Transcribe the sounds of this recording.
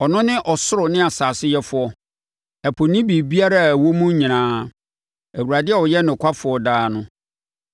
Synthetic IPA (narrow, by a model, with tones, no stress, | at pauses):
ɔ˨nʊ̃˦nɪ̃˦ʔɔ˨sʊ˦ɾʊ˨nɪ̃˦a˨saː˨sɪ˦jɛ˦fʊ˨˦ɔ˦ | ɛ˨pʰo˨nĩ˦bi˨bi˦a˦ɾa˦˨wo˦mũ˦ɲĩ˨nãː˦ | æ˨wu˨ɾa˨dɪ˦ɛ˦˨wɔ˨jɛ˦nʊ̃˨kʷʰa˦fʊ˨ɔ˦daː˦nʊ̃˦